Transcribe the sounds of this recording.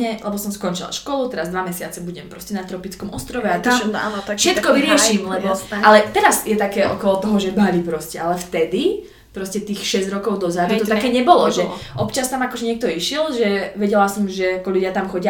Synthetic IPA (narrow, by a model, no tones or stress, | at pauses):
ɲɛlɛbɔsɔmskɔnt͡ʃila̰ʃkɔlut̪ɛɾazd̪ʋamɛsɪat͡sɛbuɟɛmpɾɔscɛnat̪ɾɔpit͡skɔmʔɔst̪ɾɔʋɛat̪amfʃɛt̪kɔʋiɾɪɛʃimlɛbɔalɛt̪ɛɾasjɛt̪akɛːʔɔkɔlɔt̪ɔɦɔʒɛbalipɾɔscɛalɛft̪ɛd̪i | pɾɔscɛt̪iːxʃɛzɟɾɔkɔʊd̪ɔzad̪ut̪ɔt̪akɛːɲɛbɔlɔʒɛʔɔpt͡ʃast̪amakɔʒɛɲɪɛk̚t̪ɔiʃɪɛlʒɛʋɛɟɛlasɔmʒɛakɔʎuɟɪat̪amxɔɟɪa